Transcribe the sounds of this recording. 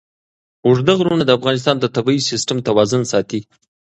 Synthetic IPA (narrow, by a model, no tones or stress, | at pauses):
ʊʐd̪aɣɾunad̪əafɣɑnɪs̬t̪ɑnd̪ət̪abɑisɪsʈamt̪awɑzʊnsɑt̪i